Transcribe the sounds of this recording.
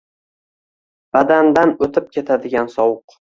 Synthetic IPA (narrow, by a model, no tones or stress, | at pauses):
b̥ad̪and̪anot̪ʰɪp̚kʲʰe̞t̪ʰad̪ɪɡʲansɒwʊq